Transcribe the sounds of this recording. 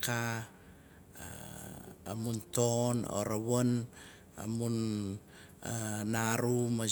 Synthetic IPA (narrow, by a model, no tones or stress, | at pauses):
ka | amuntono̰ɾawon | a̰mun | naɾuma